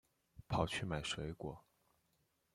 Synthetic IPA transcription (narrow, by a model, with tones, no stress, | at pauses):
pʰɑ˨˩ʊt͡ɕʰy˥˩ma˨˩ɪʂwe˧˥ɪkwɔ˨˩˦